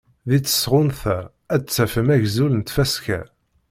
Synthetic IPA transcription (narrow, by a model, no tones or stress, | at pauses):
ðit͡sːə̥sʁʊnθæ | æt͡sːæfəmæʝzulənt̪fæskæ̰